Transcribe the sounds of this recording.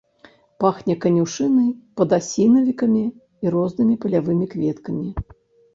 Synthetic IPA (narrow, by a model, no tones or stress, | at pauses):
paxnʲɐkɐnʲuʂɨnɨpɐd̪asʲinɐvʲikɐmʲi | iɾɔznɨmʲipɐlʲavɨmʲikvʲɛt̪kɐmʲi